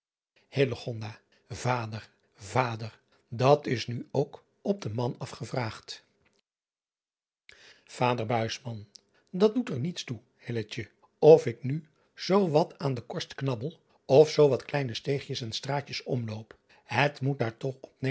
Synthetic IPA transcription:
heləχɔndaː | vaːdər | vaːdər | dɑtɪsnyowk | ɔb̚dəmɑnɑfχəvraːχt | v̥aːdəɹbœɥsmɑn | dɑt̚dutəɹnitstu | hɪlət͡ʃə | ɔfɪkny | z̥owʋɑtʰaːndəkɔɹstknɑbəlˠ | ɔfsowʋɑtklɛjnəstejχjəsɛnstraːcəsɔ̰mlowp | hətmut̚daːɹtɔχɔp̚ne

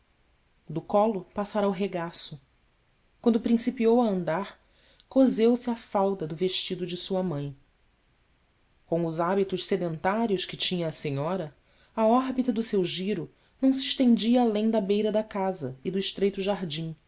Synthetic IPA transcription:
d̪ʊkɔlʊpasaɾawɦeɡasʊ | kwɐ̃nd̪ʊpɾĩsipiowɐɐ̃nd̪aɾ | kozewsɪɐfawd̪ɐd̪ʊveʃt͡ʃid̪ʊd͡ʒɪsuɐmɐ̃j̃ | kõw̃ʊzabit̪ʊʃsed̪ẽnt̪aɾjʊʃkɪt͡ʃĩɲɐːsẽɲɔɾɐ | ɐɔɾbit̪ɐd̪ʊsewʒiɾʊ | nɐ̃w̃s̬iɪʃt̪ẽnd͡ʒiɐːlẽj̃d̪ɐbejɾɐd̪ɐkazɐɪd̪ʊɪʃt̪ɾejt̪ʊʒaɦd͡ʒĩ

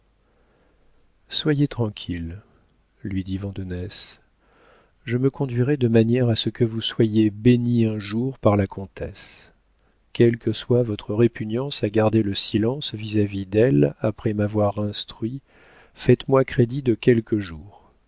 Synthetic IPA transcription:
swajet̪χɑ̃kʲʰil | lɥid̪ivɑ̃d̪ɔnɛs | ʒəməkɔ̃d̪ɥiʁɛd̪əmanjɛʁasəkəvuswajebeniɛ̃ʒuʁpaʁlakʰɔ̃t̪ɛ̰s | kʲɛlkəswavɔt̪χəʁepynjɑ̃saɡaʁd̪eləsilɑ̃svizavid̪ɛlapχɛmavwaʁɛ̃st̪χɥi | fɛt̪mwakχed̪id̪əkʲɛlkʰəʒuːʁ

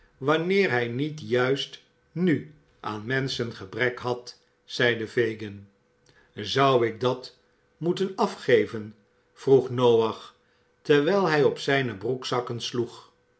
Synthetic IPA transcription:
ʋɑnɪːɹɦɛjnitjœɥst | ny | ʔaːnmɛnsənχəbrɛkɦɑt | sɛjdəvejɡən | zʌwɪɡ̚dɑt | mutənɑfχejvən | v̥ruχnowɑχ | təɹʋɛjlˠɦɛjɔpsɛjnəbruksɑkənsluχ

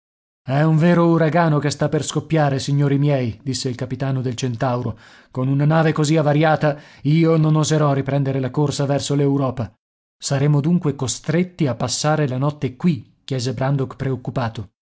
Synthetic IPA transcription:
ɛuɱveːɾouɾaɡaːnokest̪apːerskopːjaːɾesiɲːoːɾimjɛjd̪isːeilkapit̪aːnod̪elt͡ʃent̪awɾo | konunanaːvekoziavːaɾjaːt̪aiːononozeɾɔripɾɛnd̪eɾelakorsavɛrsolewɾɔːpa | saɾeːmod̪uŋkwekost̪ɾet̪ːiapːasːaːɾelanɔt̪ːekwikːjɛːzebɾand̪okpɾeokːupaːt̪o

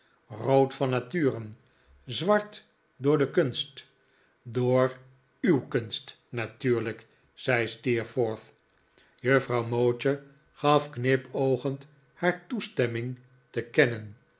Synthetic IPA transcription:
rowtfɑnːatyːrən | zʋɑɹt | dʊːɹdəkɵnst | doːɹ | ywkɵnst | natyːɹlək | z̥ɛjstiɹfoɹθ | jøfrɑwmowt͡ʃə | χɑfknɪpowχənt | haːɹtustɛmɪŋ | təkɛnən

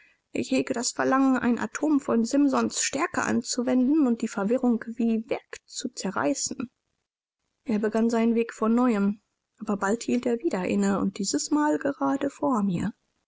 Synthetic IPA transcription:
ʔɪ̰çheːɡədasfɛɐlaŋənʔa̰ɪnʔa̰tʰoːmfɔnzɪmzɔnsʃtɛɐkə̰ʔa̰nt͡suvɛndn̩ʊnt̚d̥iːfɛɐvɪʁʊŋkviːvɛɐkt͡sut͡sɛɐʁa̰ɪsn̩ | ʔeːɐbəɡanzaɪnənveːkfɔnːɔʏəm | ʔaːbɐbalthiːlteːɐviːdɐʔɪ̰nəʊ̰nt̚d̥iːzəsmaːlɡəʁaːdəfoːɐmiːɐ

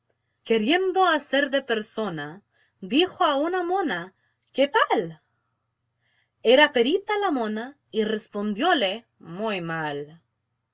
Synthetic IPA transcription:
keɾjend̪oaseɾðepeɾsona | d̪ixoaunamõna | ket̪al | eɾapeɾit̪alamõna | irespond̪jole | mujmal

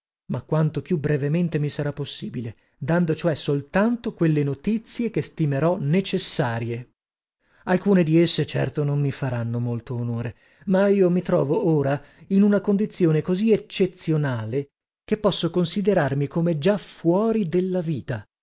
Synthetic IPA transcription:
makːwant̪opjubɾevement̪emisaɾapːosːiːbile | d̪and̪ot͡ʃoɛsolt̪ant̪okwelːenot̪it̪sːjek̟est̪imeɾɔnet͡ʃesːaːɾje | alkuːned̪iesːet͡ʃɛ̰rt̪onommifaɾanːomolt̪oːnoːɾe | maiːomit̪ɾɔːvooːɾa | inunakond̪it̪sːjoːnekoziet͡ʃːet̪sːjonaːle | k̟epːɔsːokonsid̪eɾarmikomed͡ʒafwɔːɾid̪elːaviːt̪a

